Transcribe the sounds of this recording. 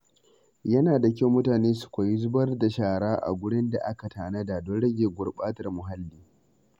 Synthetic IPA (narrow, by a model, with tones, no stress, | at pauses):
jɐ˦naː˨da˨k̬ʲa˦wmʊ˦taː˨neː˦su̥˨kʷa˨ji˦zʊ˦bɐ˦rda˨ʃaː˦˨ɽaː˦ʔa̰˨ɡʷʊ˦ɽɪ˦nda̰˨ʔa˦ka˨tʰaː˨nɐ˦da˨dɔ˦nɽɐ˦ɡʲeː˨ɡʷʊ˨rɓaː˦tɐ˨rmʊ˨ɦa˦lːiː˦